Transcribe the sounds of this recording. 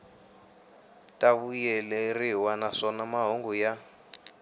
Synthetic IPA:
taβujɛlɛriwanaʂɔnamaɦoŋɡuja

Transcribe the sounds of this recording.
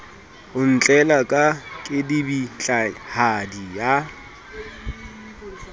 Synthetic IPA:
ʊn̩t͡ɬʼɛlakʼakʼɪdibit͡ɬʼahadija

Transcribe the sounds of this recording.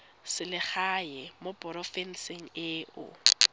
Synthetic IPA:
sɪlɪχaɛmopʼɔɾɔfɛn̩seŋ̩ɪːʔʊ̰

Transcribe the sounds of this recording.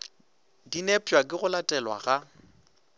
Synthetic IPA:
dinɛpʼwakʼɪɣʊlatʼɛlwa̰ɣa

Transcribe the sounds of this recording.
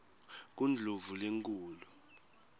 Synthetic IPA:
k̬und͡ɮʱovuleŋkʼuːlu

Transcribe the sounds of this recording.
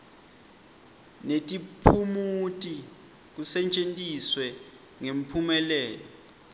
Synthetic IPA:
netʼipʰumutʼi | k̬usɛt͡ʃʼentʼiswɛ | ŋem̩pʰumɛlɛːlɔ

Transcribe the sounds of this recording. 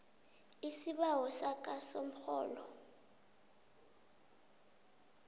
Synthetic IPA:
isiɓawɔsak̬ʼasom̩xɔ̰ːlɔ

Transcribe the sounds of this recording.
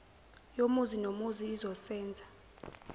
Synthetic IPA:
jomuzinomuziːzɔsɛːnd͡zʱa

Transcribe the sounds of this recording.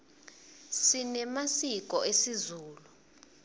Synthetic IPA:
sinɛmasik̬ʼɔesizuːlu

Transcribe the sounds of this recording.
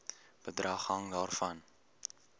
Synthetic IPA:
b̥ədrɐχɦɐŋdɑːrfɐn

